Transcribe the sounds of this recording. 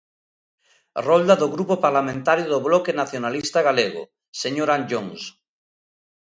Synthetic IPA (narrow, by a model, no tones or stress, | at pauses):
rold̪aðoɣɾupopaɾlamẽnt̪aɾjoðoβlɔkenaθjonalist̪aɣ̞aleɣo̰ | seɲoɾãnd͡ʒoŋs